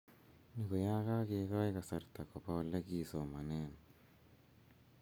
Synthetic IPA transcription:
nikojaːkakekajkasaɾt̪akopalːekisomanen

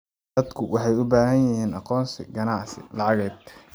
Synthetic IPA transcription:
d̪ɐd̪kʰʊwʔɑħɑjʊbaːɦɐnjɪhiːnʔɑqɔːnsɪ̰ɡɐnɑʕsɪ̰lɑʕɑɣɛːd̪

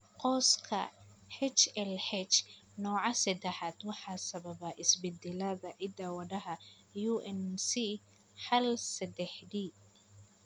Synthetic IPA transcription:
qɔːskʰɐ̰hɛt͡ʃɛlħɛt͡ʃnɔːʕɑsɐd̪ɛħaːd̪wɑħɑːsɐβɐβɐʔɪsbɛd̪ɛlɐðɐʕɪd̪ɐwɐɖɐɦɐ | juʔɛnsi | ħɐlsɐd̪ɛħdiː

